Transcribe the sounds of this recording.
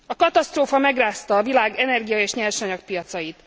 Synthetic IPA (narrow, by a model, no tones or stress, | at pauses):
ɒkɒt̪ɒst̪roːfɒmɛɡraːst̪ɒːvilaːɡɛnɛrɡijɒeːʃɲɛrʃɒɲɒk̚pijɒt̪sɒjit̪